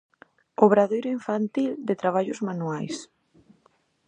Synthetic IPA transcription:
oβɾaðejɾoiɱfant̪ild̪et̪ɾaβ̞aʎʊzmanuajs

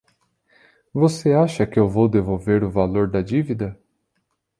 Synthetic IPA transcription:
voseaʃɐkɪewvowd̪evowveɾʊvaloɾd̪ɐd͡ʒivid̪ɐ

